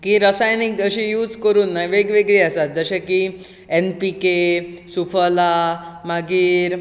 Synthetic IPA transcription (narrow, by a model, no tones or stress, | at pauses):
kĩːɾəsajniɡəɕĩjuːd͡zkəɾuːnːajʋeɡʋeɡɭiəsat̪̚d͡zəɕãki | enpikesufəlamaɡiːɾ